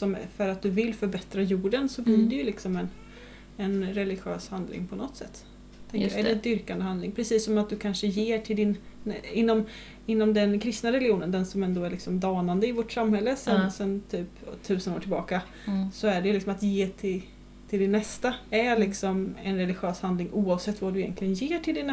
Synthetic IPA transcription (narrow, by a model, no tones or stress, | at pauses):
sɔmfœɾat̪̚d̪ɵvɪlfœɾbɛt̪ɾajuːɖənsɔbliːɖɛjɵlɪksɔmɛn | ɛnɾɛlɪɧø̰ːshand̪lɪ̰ŋpʰɔnɔt̪sɛ̰t̪ː | t̪ʰɛŋkɾjæɖɛɛd̪ʏɾkand̪əhand̪lɪŋpʰɾɛsiːsːɔmat̪̚d̪ɵkʰanʂəjeːʈʰɪld̪ɪnɪnːɔm | ɪnːɔmd̪ɛnkʰɾɪst̪naɾɛlɪuːnənd̪ɛnsɔmɛnd̪oːæɾɭɪksɔmd̪ɑːnand̪əɪvoʈsamhɛlːəsɛnsɛnt̪ʰyːpt̪ʰʉ̟ːsəno̰ːʈʰɪlbɑːka | sɔæɖɛjʏlɪksɔmat̪jeːt̪ʰɪl | t̪ʰɪld̪ɪnːɛst̪aælɪksɔmɛ̰nɾɛlɪɧøːshand̪lɪŋʔuːɑvsɛt̪ːvad̪ɵɪjɛ̰nklɪɡənjeːʈʰɪld̪ɪnː